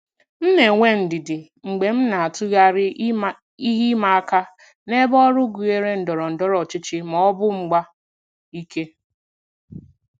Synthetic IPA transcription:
m̩˦ne˨ŋʷe˦n̩˨dɪ˨dɪ˨ | ŋ͡m̩˨ɡ͡be˨m̩˦na˨a˨tʊ˦ɣa˦ɾɪ˦ | i˦ɦi˦ma˨a˦ka˦ | ne˦bɔ˦ɾʊ˦ɡu˨e˨ɾe˦n̩˨dɔ˨ɾɔ˨n̩˨dɔ˦ɾɔ˨t͡ʃɪ˦t͡ʃɪ˦mɔ˨ɔ˦bʊ˦ŋ͡m̩˦ɡ͡ba˦ | i˦ke˦

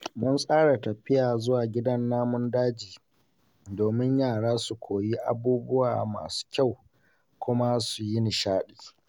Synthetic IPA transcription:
mʊ˦nsʼaː˦ɽa˨tɐ˨ɸɪ˦jaː˨zʊ˦waː˨ɡʲɪ˦dɐ˦nːaː˦mʊ˦ndaː˦d͡ʒiː˨ | doː˨mɪ˦ɲjaː˦˨ɽaː˦su˨kʷʰoː˨ji˦ʔa˨buː˦bʊ˦waː˨ma̰ː˨su̥ː˦kʲa˦˨w | kʷʊ˦ma˦su˨ji˦nɪ˨ʃaː˦ɗiː˨

